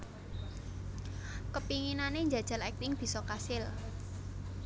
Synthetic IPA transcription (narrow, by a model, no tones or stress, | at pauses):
kəpiŋinaneɲd͡ʒad̥ʒ̥ä̤lɛk̚t̪ɪŋb̥i̤sɔkasɪl